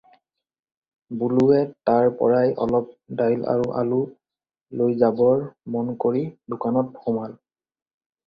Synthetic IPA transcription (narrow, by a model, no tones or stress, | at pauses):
buluɛtaɹpɔ̰ɹajʔɔ̰lɔp̚dajlʔa̰ɹuʔa̰lu | lojzabɔɹmɔnkoɹidʊkanɔt̚hɔmal